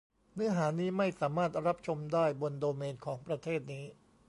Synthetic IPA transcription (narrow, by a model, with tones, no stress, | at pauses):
nɯ˦˥ɐɦaː˩˦niː˦˥ma˥˩jsaː˩˦maː˥˩t̪̚ɾa˦˥p̚t͡ɕʰo˧mdaː˥˩jbo˧ndoː˧meː˧nkʰɔː˩˦ŋpɾa˧t̪ʰeː˥˩t̪̚niː˦˥